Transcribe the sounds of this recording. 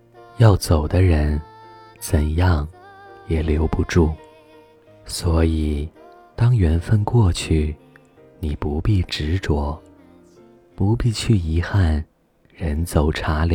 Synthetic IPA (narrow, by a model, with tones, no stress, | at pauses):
jɑ˥˩ʊt͡so˨˩ʊd̪ə˦ɻə˧˥nt͡sə˨˩njɑ˥˩ŋjɛ˨˩ljo˧˥ʊpu˧˥ʈ͡ʂu˥˩ | swɔ˧˥i˨˩ | t̪ɑ˥ŋjɥɛ˧˥nfə˥nkwɔ˥˧t͡ɕʰy˥˩ | ni˨˩pu˧˥pi˥˩ʈ͡ʂɻ̩˧˥ʈ͡ʂwɔ˨˥˩ | pu˧˥pi˥˧t͡ɕʰy˥˩i˧˥xa˥˩n | ɻə˧˥nt͡so˨˩ʊʈ͡ʂʰa˧˥l